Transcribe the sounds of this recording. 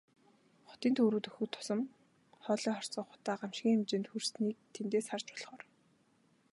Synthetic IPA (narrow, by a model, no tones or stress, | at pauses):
χʊ̥t̪iːnt̪ʰoːɾuːt̪ɵxɵ̆kt̪ʰːʊ̥sɞ̆m | χɔːɮiːχɔr̥t͡sɔːχʊ̥t̪aːɢam̥ʃɡʲiːŋemt͡ɕɪ̆nt̪xursniːk̚t̪ʰemt̪eːsχart͡ɕʊ̥ɮχɔːr